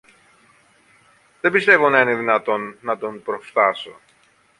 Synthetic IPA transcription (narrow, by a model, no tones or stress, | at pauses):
ðebist̪e̞vo̞nɐine̞ðinɐt̪o̞nːɐt̪o̞npɾo̞ft̪ɐso̞̰